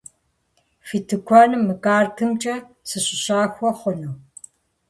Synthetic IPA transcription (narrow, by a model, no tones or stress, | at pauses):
fitʰɨkʷʰɔnɨmːɨkʼaːrkʰɨmt͡ʃʼɐ | sɨɕɪɕaːxʷɔχʷʊnuː